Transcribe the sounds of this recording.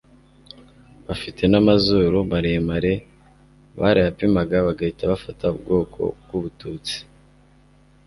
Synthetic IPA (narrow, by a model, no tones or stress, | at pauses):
βafitʰe̞namazoɾoβaɾemaɾe̞ | βa̰ɾiapimaɡaβaɡaitaβafatʰaubɡo̞ːkʰo̞̰ɡ̥uβutuːt͡si̥